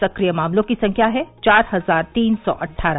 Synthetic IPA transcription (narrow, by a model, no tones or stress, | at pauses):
sɐkɾijəmaːmlõkisɐ̃ŋkʰjaɦɛt͡ʃaːɾɦɐzaːɾt̪iːnsɔ̰ːʔɐʈʰːaːɾa